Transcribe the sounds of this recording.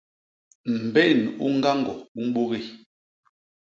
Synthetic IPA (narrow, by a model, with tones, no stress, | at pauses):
m̩˨bɛ˦˨nṵ˦ŋ˦ɡa˦ŋɡɔ˨u˦m˦ɓo˦ɣi˦˨